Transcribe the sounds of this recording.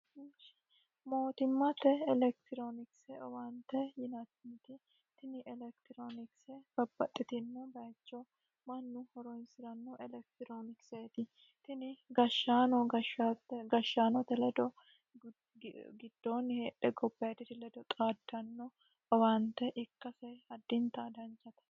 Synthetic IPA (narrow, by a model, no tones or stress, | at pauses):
mʃ | mo̞ːt̪ɪmːɐt̪ːɛɛlɛkt̪ɪɾoːnɪksɛɔwant̪ːɛjɪnɐt̪nɪt̪ɪ | t̪ɪnɪʔɛlɛkt̪ɪɾoːnɪksɛb̥ɐbːɐt̪ʼːɪt̪ɪnːɛbɐjt͡ʃːɔ | mɐnːʊhɔɾɔjnsɪɾɐnːɔʔɛlɛk̚t̪ɪɾoːnɪkseːt̪ɪ | t̪ɪnɪɡɐʃːaːnɔɡɐʃat̪ːɛɡɐʃːaːnɔt̪ːɛlɛd̪ɔ | ɡɪd̪̥ːoːnːheːᶑɛɡɔbːɐjɐt̪ɪt̪ɪlɛd̪ɔt̪ʼaːd̪ːɐnːɔ | ɔwant̪ːɛʔɪkːɐsɐjɐd̪ːɪnt̪ad̪ɐnt͡ʃːɐt̪ɐ̥